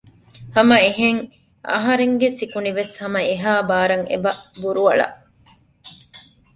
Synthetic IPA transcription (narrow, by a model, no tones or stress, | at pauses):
hɐmɐeɦeŋ | ʔɐ̰ɦɐɾeŋɡesikuniʋeshɐmɐeɦaːbaːɾɐŋḛbɐʔbuɾuɐɭɐ̰ʔ